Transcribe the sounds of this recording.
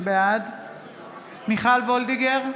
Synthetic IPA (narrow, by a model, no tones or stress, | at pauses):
bead̪ | miχalvold̪iɡeʁ